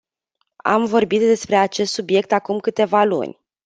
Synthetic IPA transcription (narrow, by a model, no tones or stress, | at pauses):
a̰mvo̞rbit̪d̪e̞spɾe̞at͡ʃe̞st̪subje̞k̚t̪akumkɨt̪e̞valṵnʲ